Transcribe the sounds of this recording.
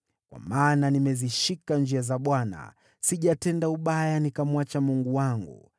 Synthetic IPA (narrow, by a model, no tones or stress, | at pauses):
kwa̰maːnanimɛziʃikand͡ʒiazaɓwana̰ | siʄatɛndauɓajanikamwat͡ʃamuŋɡuwaŋɡṵ